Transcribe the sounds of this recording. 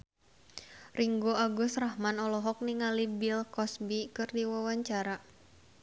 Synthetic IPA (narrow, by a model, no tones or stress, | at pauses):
rʔiŋɡoaɡʊsrahmanɔlɔɦɔk̚niŋalibilkɔsbikɨrdiwawaɲt͡ʃaɾa